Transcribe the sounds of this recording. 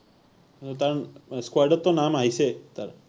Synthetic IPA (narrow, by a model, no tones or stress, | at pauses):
ot̪aɾskwaɖət̪ːonamaiset̪aɾ